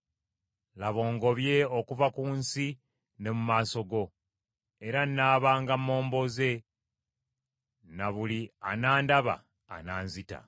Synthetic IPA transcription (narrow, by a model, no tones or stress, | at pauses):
laβo̞ːŋɡo̞βje̞o̞kuvakuːnsi | ne̞mumaːso̞ɡo̞ | e̞ɾanːaːβaːŋɡamo̞ːmbo̞ze̞ | naβulianaːndaβa̰ː | naːnzita̰